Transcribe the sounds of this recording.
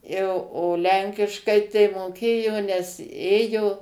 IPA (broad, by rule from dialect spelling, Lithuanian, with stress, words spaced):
jɛʊ oː ˈlʲɛŋʲkʲɪʃkɐɪ tɐɪ moːˈkʲeːjoː nʲɛs ˈeːjoː